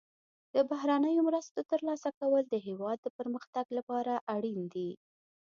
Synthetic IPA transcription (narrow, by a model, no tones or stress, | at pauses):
d̪̥əbaɦɾanəjomɾəst̪ot̪əɾlɑsakawəld̪əɦewɑd̪ːəpəɾməxt̪aɡlapɑɾaʔaɽind̪i